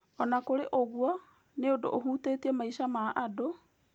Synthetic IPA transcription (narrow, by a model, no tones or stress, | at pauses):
ɔnakoɾeʔoɣwɔ | neodo̰ʔoɦuːteːtiɛmaiʃamaʔado